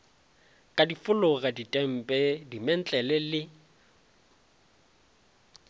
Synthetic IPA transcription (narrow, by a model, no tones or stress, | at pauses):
kʼadifʊlʊɣaditʼɛm̩pʼɛdimɛn̩t͡ɬʼɛlɛlɪ